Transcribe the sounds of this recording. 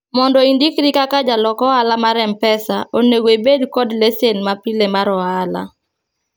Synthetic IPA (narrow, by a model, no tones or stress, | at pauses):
mɔndɔindikɾikakad͡ʒalɔkɔalamaɾɛmpɛsaoneɡoebedkɔdlesenmapilemaɾɔala̰